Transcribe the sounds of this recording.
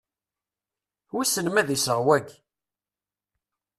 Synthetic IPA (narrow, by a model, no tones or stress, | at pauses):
wisənmæðisəʁwæɡ